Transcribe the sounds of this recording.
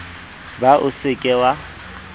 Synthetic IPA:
baʔʊsɪkʼɛwa

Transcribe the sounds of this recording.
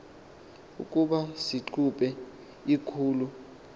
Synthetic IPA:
ṵkʼuɓasiǃʰupʼɛ | ikʰuːlu

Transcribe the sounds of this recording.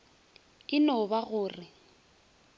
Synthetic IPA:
ɪnobaɣʊːrɪ

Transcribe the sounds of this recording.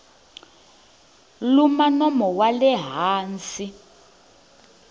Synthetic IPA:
lumanɔmɔwalɛɦaːnsi

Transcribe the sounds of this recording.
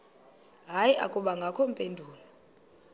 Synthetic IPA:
ɦajiʔa̰kʼuɓaŋɡʱakʰɔm̩pʼendʱuːlɔ

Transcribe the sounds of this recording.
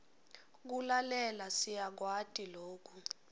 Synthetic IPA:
k̬ulalɛlasijak̬watʼiloːk̬ʰʼu

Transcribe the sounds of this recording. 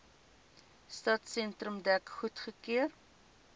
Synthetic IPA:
stɑtsɛntrəmdækχutχəkiər

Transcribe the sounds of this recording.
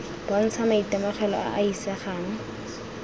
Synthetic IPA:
b̥an̩t͡sʰamaitɛmɔχɛlɔ̰a̰ʔaisɛχaːŋ̩

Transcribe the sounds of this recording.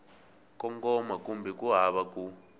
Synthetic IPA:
kɔŋkɔmakumbɛkuɦaβaku

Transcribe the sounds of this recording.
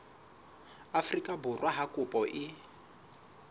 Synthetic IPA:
afrikʼabʊrwaɦakʼʊpʼɔʔɪ

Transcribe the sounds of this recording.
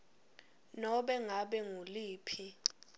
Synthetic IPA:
nɔɓɛŋaɓɛŋuliːpʰi

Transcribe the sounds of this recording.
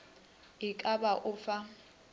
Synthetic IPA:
ɪkʼabaʔʊfa

